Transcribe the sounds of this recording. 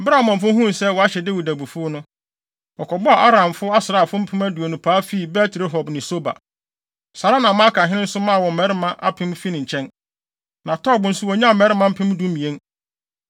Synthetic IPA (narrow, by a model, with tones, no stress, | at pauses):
bɾa˦˨mɔ̃˨m̩˨f̬ʊ˦ɦũ˦n˨sɛ˦wɔ˨a˦ɕɛ˨de˦wi˨dæ˨bu˨fʊ˦nʊ̃˦ | ɔ˨kʰɔ˨bɔ˦a˨ʔa˦ɾã˨mfʊ˦a˦sɪ˨ɾaː˦˨fʊ˦m̩˦pʰɪ̃˦mæ˦du˨o˨nũ˨pʰaː˨˦fi˦˨bɛ˦tʰɾe˦ɦɔ˨bnɪ̃˨so˦ba̰˨ | sa˨ɾa˦nã˨mã˦kʰã˨ɦɪ̃˦ɪ̃˦n̩˦sʊ˦mã˦˨wɔ̃˨m̩˨mɛ˦ɾɪ˦mã˦ʔa̰˦pʰɪ̃˦mfi˦nɪ̃˨ɲ̩˨t͡ɕʰɛ̃˦n | nã˨tʰɔ˦bʊ̃˨˦n̩˦sʊ˦wɔ˨˦ɲ˦ã˦˨mɛ˨˦ɾɪ˦mã˦m̩˦pʰɪ̃˦m˦du˦mĩ˨ẽ˦n